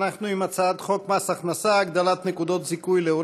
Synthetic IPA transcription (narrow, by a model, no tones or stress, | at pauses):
naχnuimat͡saad̪χokmasaχnasaːɡd̪alat̪nekud̪ot̪zikujleuɾ